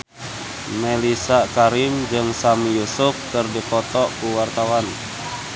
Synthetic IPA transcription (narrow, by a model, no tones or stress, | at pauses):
mɛlisakaɾimd͡ʒɨŋsamijusufkɨrdipɔt̪ɔkuwart̪awan